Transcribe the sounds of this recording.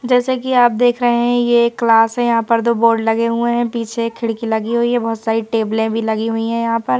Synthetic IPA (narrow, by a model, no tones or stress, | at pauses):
d͡ʒɛːsekiaːp̚d̪eːkʰɾɐɦeɦɛ̃jekːlaːsɦɛ̃jɐɦãpɐɾd̪oːboːɾɖlɐɡeɦueɦɛ̃piːt͡ʃʰekʰɪɽkilɐɡiɦuiɛ̃bɔɦʊt̪saːɾiʈeːblẽbʱilɐɡiɦuiɦɛ̃jɐɦãpɐɾ